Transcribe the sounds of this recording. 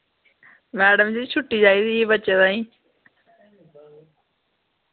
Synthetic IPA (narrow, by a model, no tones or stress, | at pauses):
mɛːɖəmd͡ʑiːt͡ɕʰʊʈːiːd͡ʑaːiːt̪iːbət͡ɕet̪aːĩː